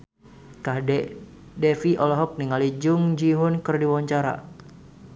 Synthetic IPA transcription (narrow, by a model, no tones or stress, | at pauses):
kadɛ | dɛfiʔɔlɔɦɔk̚niŋalid͡ʒʊŋd͡ʒiɦʊnkɨrdiwɔɲt͡ʃaɾa̰